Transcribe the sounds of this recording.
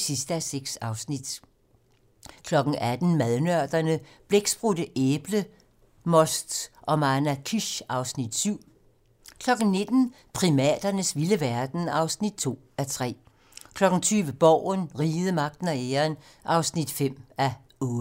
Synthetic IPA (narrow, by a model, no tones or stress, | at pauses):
sisd̥əæseɡ̥sɑ̈ʊsnid̥ | kʰlɒ̽ɡ̥n̩æd̥n̩mæðˠnœɐ̰d̥ɐnəb̥leɡ̥sb̥ʁudəʔeːb̥lə | mɒ̽sd̥ʔɒ̽mɑnækʰiɕɑ̈ʊsnid̥syʊ̰ | kʰlɒ̽ɡ̥n̩ne̝d̥n̩ | pʰʁimɛ̰ːd̥ɐnəsʋiləʋæɐd̥n̩ɑ̈ʊsnid̥̚t͡sʰo̝̰ːæt͡sʰʁɛ̰ː | kʰlɒ̽ɡ̥n̩t͡sʰyːʋəb̥ɒʊ̰nʁiːð̩ˠəmɑ̈ɡ̥̚d̥n̩æeːɐn | ʔɑ̈ʊsnid̥fem̰æ | ɔː